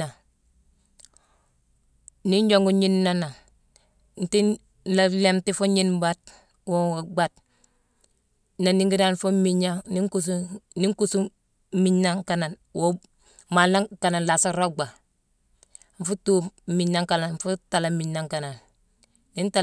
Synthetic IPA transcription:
a˨ | ni˦ɲd͡ʒo˨ŋɡu˦ɲi˦nːa˦na˨ | n̩˨ti˦ | la˨le˦mti˦fo˦ɲi˦nba˦t̚ | wo˦a˨ɡ͡ba˦t̚ | na˨ni˦ŋɡi˦da˦nfo˦mi˦ɲa˦ni˦ŋkus̬u˦ni˦ŋku˦˨su˦ | mi˦ɲːa˦ŋka˨na˨nwo˦ | ma˨la˦ŋka˨na˨nla˨sa˦ɾo˦ɡ͡ba˨ | ɱ˦fu˦tu˦mi˨nːa˦ŋka˨na˨nɱfu˦ta˨la˨mi˨nːa˨ŋka˨na˨nː | i˦nta˦

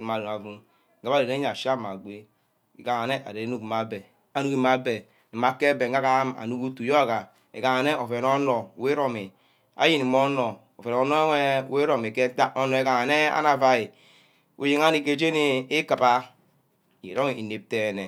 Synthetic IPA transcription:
ma˨u˨na˨vu˦ | ɡa˦a˦˨e˨ɾe˦a˨ʃa˦˨ma˨ɡ͡be˦ | ḭ˨ka˨ŋa˨ne˦ʔa̰˨ɾe˨e˦nu˦˨kma˨be˨ | a˦nu˦ki˦ma˨be˨ | e˨ma˨ke˦be˨ŋ˦ɡa˦ka˦ma̰˨nu˦ku˦tu˨jo˦a˦˨ka˨ | ḛ˨ɡa˨ŋa˨ne˦o˨fe˨no˦no˨we˦ɾo˨mi˨ | a̰˨ji˦ni˨mo˦no˨ | o˨fe˨no˨˦no˦ŋe˦˨we˦ɾo˨mi˨ke˦ta˦o˦no˨e˨ka˨ŋa˨ne˦a̰˦na˨va˨ji˨ | ṵ˨ji˦ŋa˦ni˨ke˨d͡ʒe˦ni˦i˦ka˨pa˦˨ | jḛ˨ɾo˦˨i˨ne˨p̚te˨ne˨

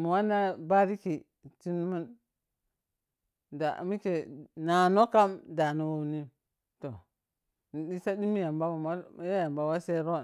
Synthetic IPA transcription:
mu˨wa˦na˦ba˦ɾi˦ki˨ | t͡ʃi˦n˦mu˦n | da̰˨mi˦ke˨na˨no˦ka˦mda˨nu˦wo˦ni˦ | to˨ | ni˨ɗi˦sa˦ɗi˦mi˦ja˨mba˦wa˨ma˦a˦ja˨mba˨wa˦se˦ɾo˦˨

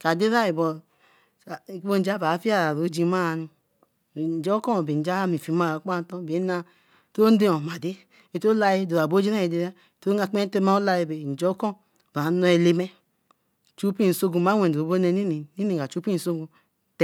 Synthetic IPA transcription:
ka˨de˦ɾa˦i˨bɔ˨˦ | bo˦n̩˦d͡ʒa˦ba˨˦fi˦a˦ɾa˨ɾo˨˦d͡ʒi˧ma˦˨nu˧˨ | d͡ʒɔ˦kɔ˦˨be˨d͡ʒa˦mi˨fi˨˦ma˦˨a˨˦k͡pa˦˨n˦tɔ̃˦˨be˨˦na˧ | to˦n˦de˦o˨ma˨de˦ | e˨to˦la˧ji˦do˨ɾa˨bo˦d͡ʒi˦ɾa˦i˨de˦ɾa˦˨to˦a˧˨k͡pe˦te˦ma˦o˦la˧je˧be˨n̩˨d͡ʒo˦kɔ˦˨ | ba˨˦nɔ˧ɛ˨le˦mɛ˦˨ | t͡ʃu˦pi˦˨so˦ɡu˨ma˨˦we˨o˨˦bo˦nɛ˧ni˦ni˨ni˦ni˨ɡa˨t͡ʃu˦pi˦˨so˦ɡu˨ | t

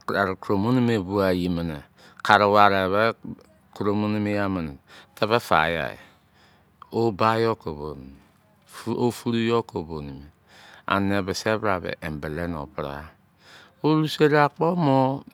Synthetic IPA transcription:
a˨ɾku˨ɾo˨mu˦ni˦me˨βu˦a˨ji˨mə˨ne˨ | kʰa˨ɾe˨wa˨ɾe˨βɛ˦ | ku˨ɾo˨mu˦ni˦me˦ja˦mə˨n˨tʰɛ˦βɛ˦fa̰˨˦ja̰˨ḛ˨ | o˦ba˦jo˦ko˨bo˨ni˨m˨˦ | o˦fu˦ɾu˦jo˦ko˨bo˨ni˨mi˨ | a̰˨ne˨be˨se˦βɾa˨βɛ̰˨ʔe˨m˨be˨le˦n˨o̰˨pɾa̰˦ | o˦ɾu˦se˦ɾa˨k͡pɔ˦mo˦

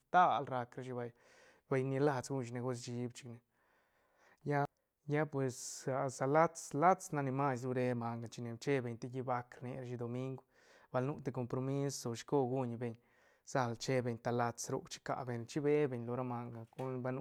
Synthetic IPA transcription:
t̪a˦lɾa˧kɾa˦ʃi˧ba˧j | ba˧jni˧la˧t͡sɡu˦˧nʃi˧ne˧ɡo˦s̬t͡ʃi˧bt͡ʃi̥˧kne˧ | ja˦ | ja˦pwe˨sa˧sa˧la˦t͡sla˦t͡sna˧ni˧ma˦s̬ɾu˧ɾe˧ma˧ŋɡa˨t͡ʃi˧ne˧˨t͡ʃe˦be˧˨ɲt̪e˦ɡi˧ba˧kɾne˧ɾa˦ʃ̬i˧d̪o˧mi˦ŋɡ | b̥a˧lnu˦t̪e˧ko˧mpɾo˧mi˦sːo˨ʃko˦ɡu˦ɲbe˧ɲ | sa˧lt͡ʃe˦be˧ɲt̪a˧la˧t͡sɾṵ˧kt͡ʃi̥˦ka̰˧ʔbe˧˨nt͡ʃi˦be˦be˧ɲlo˧ɾa˦ma˧ŋɡa˨ɡu˦nba˧˦nu˧˦

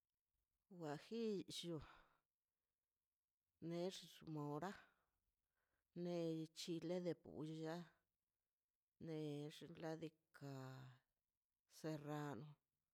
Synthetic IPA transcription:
wa˨xi˦ʃo˧ | ne˧˦ʐsu˧mo˨ɾa˦ | ne˧t͡ʃi˧le˦d̪e˧pṵ˨˧ja˦ | ne˧ʐla˦d̪i˧ka˨ | se˧ra˧no˧

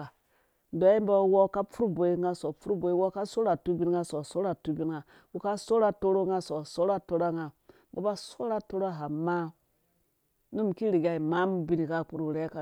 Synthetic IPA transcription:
a˨ | ndo˨˦i˦mba˦wo˦ka˦fu˦ɾu˦bo˨i˦ŋa˦so˨fu˦ɾu˦bo˨i˦wo˦ka˦so˦ɾa˨tu˦bi˦nŋa˦so˨so˦ɾa˨tu˦bi˦n˦ŋa˨ | wu˨ka˦so˦ɾa˦to˦ɾo˦ŋa˦so˨so˦ɾa˦to˦ɾa˦ŋa˨ | ba̰˨˦ba˦so˦ɾa˦to˦ɾo˦ɦa˨ma˦ | nu˦m˨ki˦ɾi˨ɡʲa˦i˨ma˦m˦bi˦ni˨ka˦k͡pu˦ɾu˦˨ɾe˦ka˨

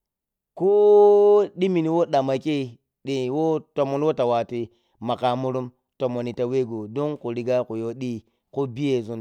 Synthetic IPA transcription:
ko˦ | ɗi˦mi˨ni˨wo˦ɗa˨ma˨ke˦˨ | ɗi˨wo˦to˨mo˨n˦o˦ta˨wa˨ti˨ | ma˨ka˨mu˦ɾu˦m | to˨mo˨ni˨ta˨we˦ɡo˨do˦ŋku˨ɾi˨ɡa˦ku˨jo˦ɗi˦ | ko˦bi˦je˨zu˦n

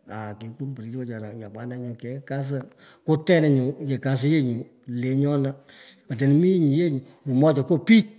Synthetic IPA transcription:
a˨ke˨ku˦m˦pə˨ɾi˨˦tɔ˦t͡ʃa˨na˨ɲa˨k͡pa˨˦na˧ɲo˨kɛ˨˦ka˦s̬ə˦ | kʊ˦tɛ˦nɛ˨ɲʊ˨je˨ka˨s̬ə˦je˦ɲu˨ | le˨˦ɲɔ˦na˦ | ɔ˨t̬e˨n˨˦mi˦ɲi˨je˦ɲ˨ | u˨mɔ˦t͡ʃɔ˨ko˦pi˦

